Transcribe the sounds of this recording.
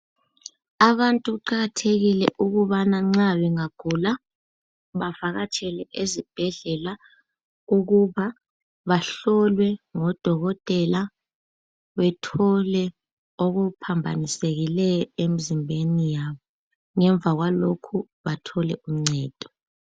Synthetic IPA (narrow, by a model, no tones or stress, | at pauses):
aβantʼuɣuǃaɣatʰeɣilɛʔuɣuβanaŋ͡ǀaβɛŋaɡ̥ʱula | βavaɣat͡ʃʰʼɛlɛʔezib̥ʱɛɮɛla | uɣuβa | βaɬɔlwɛŋɔd̥ʱɔɣɔtʼɛla | βɛtʰɔlɛ | oɣupʰambʱaniseɣilɛjɔemizimbʱenijaːβɔ | ŋɛɱb̪vʱaɣwalokʰu | βatʰɔlɛʔum̩ŋ͡ǀɛːd̥ʱɔ̥